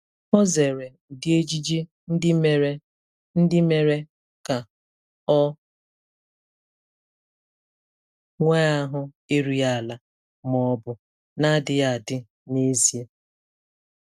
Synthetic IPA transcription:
hɔ˦ze˨ɾe˨dɪ˦e˦d͡ʒi˦d͡ʒe˦ | n̩˦dɪ˦me˦ɾe˦ | n̩˦dɪ˦me˨ɾe˦ | ka˨ | ɔ˦ | ŋʷe˦a˦ɦʊ˦ | e˦ɾi˨a˦˨la˨ | mɔ˨bʊ˨ | na˦dɪ˨ja˨dɪ˦ | ne˦zi˨e˦

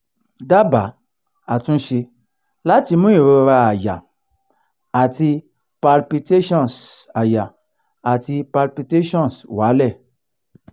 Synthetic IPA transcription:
da˦ba˨ | a˨tũ˦ʃe˧ | la˦ti˧mũ˦ji˨ɾo˧ɾa˧a˨ja̰˨ | a˨ti˧ | pa˧lpi˧te˦ʃɔ˦nsa˨ja˨ | a˨ti˧pa˧lpi˧te˦ʃɔ̃˦nswa˨˦lɛ˦˨

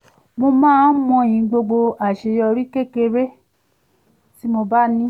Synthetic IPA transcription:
mo˧mãː˦mɔ̃˧˨ĩ˨˧ɡ͡bo˧ɡ͡bo˧a˨ʃe˨jɔ˧ɾi˦ke˦ke˧ɾe˦ | ti˦mo˧ba˦nĩ˦

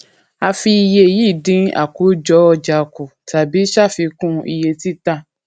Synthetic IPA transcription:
a˧fi˧i˧je˧˨ji˦˨dĩ˨˦a̰˦˨ku˨˦d͡ʒɔ˨˧˦ɔ˧d͡ʒa˨ku˨ta˨bi˨˦ʃa˦˨fi˧kũ˦ḭ˧je˧ti˦ta˧˨

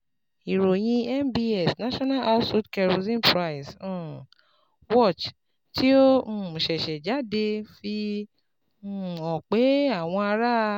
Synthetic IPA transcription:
i˨ɾo˨j̃ĩ˧ɛ˦˨mbi˧ɛ˨snã˦ʃɔ̃˦na˦lʔa˦su˦tkɛ˧ɾo˧zĩ˦npɾa˧i˨sɔ̃˦˨ | wɔ˦˨t͡ʃ | ti˦o˦ũ˦˨ʃɛ˨ʃɛ˨d͡ʒa˨˦de˧fi˧˦˨ | ɔ˨k͡pe˨˦a˦˨w̃ɔ̃˧a˧ɾa˦˧

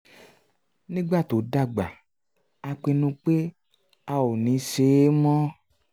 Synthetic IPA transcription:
nĩ˦ɡ͡ba˦˨to˨da˦˨ɡ͡ba˨ | a˧k͡pe˧nũ˧k͡pe˦ | a˦wo˨nĩ˨˦se˨˦mɔ̃˦

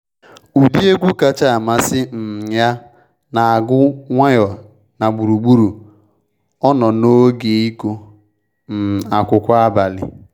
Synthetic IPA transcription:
u˨di˦e˦ɡʷu˦ka˨t͡ʃa˦a˨ma˨sɪ˦m̩˨ja˦ | na˨a˨ɡʊ˦ŋʷa˦jɔ˨ | na˨ɡ͡bu˨ɾu˨ɡ͡bu˦ɾu˨ | ɔ˦nɔ˨no˦ɡe˨i˦ko˦ | n̩˨a˨kʷʊ˨kʷa˦a˦ba˨lɪ̰˨

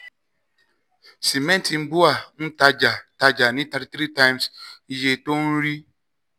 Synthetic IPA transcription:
si˨mɛ̃˦nti˨n̩˦bu˦a˨n̩˦ta˦d͡ʒa˨ta˦d͡ʒa˨nĩ˦ta˨˦ɾi˨˦tɾi˦ta˦jmsje˨to˦n̩˦ɾi˦

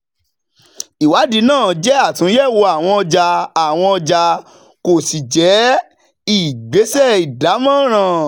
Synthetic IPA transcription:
i˨wa˨˦di˧˦nãː˦˨d͡ʒɛ˦a˦˨tũ˨˦jɛ˦˨wo˧a˨w̃ɔ̃˧ɔ˧d͡ʒa˧a˨w̃ɔ̃˧ɔ˧d͡ʒa˧ | ko˨si˨d͡ʒɛ˨˦ | i˦˨ɡ͡be˨˦sɛ˦i˨da˨˦mã˦˨ɾ̃ã˨

